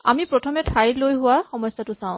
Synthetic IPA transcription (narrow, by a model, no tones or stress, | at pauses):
a̰mipɹɔtʰɔmɛtʰajlojɦʊwaxɔmɔsːatʊsãʊ̃